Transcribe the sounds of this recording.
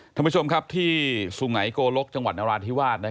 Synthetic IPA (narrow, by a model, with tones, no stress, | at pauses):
t̪ʰa˥˩˨pʰu˥˩o˧mkʰa˦˥p̚t̪ʰiː˥˩su˨˩ŋa˩˦jkoː˧lo˦˥k̚t͡ɕa˧ŋwa˨˩t̪̚naː˧ɾaː˧t̪ʰi˦˥waː˥˩t̪̚na˦˥